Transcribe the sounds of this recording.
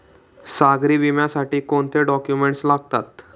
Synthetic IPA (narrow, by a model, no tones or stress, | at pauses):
saɡɾiːʋimjasaʈiːkoɳt̪ʰeɖɔkjumeɳʈslaɡ̚t̪at̪̚